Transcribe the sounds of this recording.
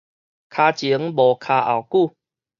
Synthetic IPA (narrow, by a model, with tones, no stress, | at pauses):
kʰaː˧t͡ɕi˨˦ŋbɔ˨˩kʰa˧ʔa̰˨˩wku˥˧